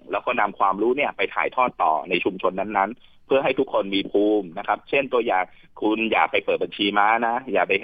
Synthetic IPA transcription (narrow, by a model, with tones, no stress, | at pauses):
lɛː˦˥wkɔː˥˩na˧mkʰwaː˧mɾuː˦˥ni˥˩ɐpa˧jt̪ʰa̰ː˨˩˦jt̪ʰɔː˥˩t̪ːɔ̰ː˨˩na˧jt͡ɕʰu˧mt͡ɕʰo˧nːa˦˥nːa˦˥n | pʰɯ˥˩ɐɦa˥˩jt̪ʰu˦˥kʰːo˧nmiː˧pʰuː˧mna˦˥kʰa˦˥p̚t͡ɕʰe˥˩nt̪u˧ɐjaː˨˩ŋ | kʰu˧nja̰ː˨˩k̚pa˧jpɤː˨˩t̪̚ba˧nt͡ɕʰiː˧maː˦˥na˦˥jaː˨˩k̚pa˧j